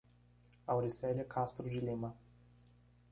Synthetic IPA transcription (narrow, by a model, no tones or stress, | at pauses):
awɾisɛlʲɛkʰast̪ɾʊd͡ʒɪlĩmɐ